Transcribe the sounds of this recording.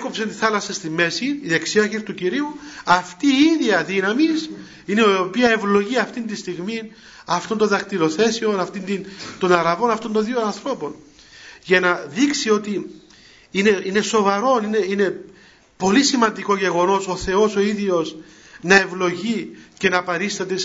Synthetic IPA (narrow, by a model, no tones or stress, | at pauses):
eko̞psent̪iθɐlɐsɐst̪imːe̞siːðe̞ksiɐçiɾt̪uciɾiuɐft̪iːiðiɐðinɐmis | ineopiɐe̞vlo̞ʝiɐft̪ind̪ist̪iɣmin | ɐft̪o̞nd̪oðɐkt̪iɾo̞θe̞sio̞nɐft̪ind̪int̪o̞nɐɾɐvo̞nɐft̪ond̪onðionɐnθɾo̞po̞n | ʝɐnɐðiksio̞t̪i | ine̞ine̞so̞vɐɾo̞nineine̞ | po̞lisimɐnd̪iko̞ʝe̞ɣo̞no̞so̞θe̞o̞so̞iðio̞s | nɐevlo̞ʝice̞nɐpɐɾist̪ɐt̪es